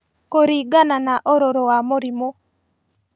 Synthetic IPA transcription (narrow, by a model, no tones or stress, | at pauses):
koɾiɡananaʔoɾoɾoamoɾimo